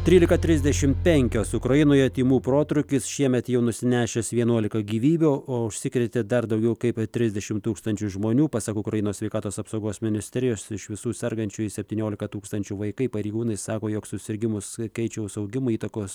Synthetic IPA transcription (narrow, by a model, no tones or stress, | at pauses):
t̪ʲɾʲiːlʲɪkɐt̪ʲɾʲɪzʲd̪ʲɛʃʲɪmpʲɛŋʲkʲoːsʊkɾɐjɪnoːjɛt̪ʲiːmuːpɾoːt̪ɾʊkʲɪsʃʲiɛmʲɛt̪jɛʊnʊsʲɪnʲæːʃʲɛsʋʲiɛnuɔlʲɪkɐɡʲiːʋʲiːbʲoːoːʊʃʲsʲɪkɾʲɛt̪ʲed̪ɐrd̪ɐʊɡʲɛʊkɐɪpt̪ʲɾʲɪzʲd̪ʲɛʃʲɪmt̪uːkst̪ɐnʲt͡ʃʲʊʒmoːnʲuːpɑsɐkʊkɾɐjɪnoːsʲʋʲɛɪkɑːt̪oːsɐpsoʊɡoːsmʲɪnʲɪsʲt̪ʲɛɾʲɪjoːsɪʃʋʲɪsuːsʲɛɾɡɐnʲt͡ʃʲʊɪsʲɛpʲt̪ʲiːnʲoːlʲɪkɐt̪uːkst̪ɐnʲt͡ʃʲuʋɐɪkɐɪpɐɾʲɛɪɡuːnɐɪsɑːkoːjoːksʊsʲɪɾʲɡʲɪmʊskʲɛɪt͡ʃʲɛʊsɐʊɡʲɪmʊiːt̪ɐkoːs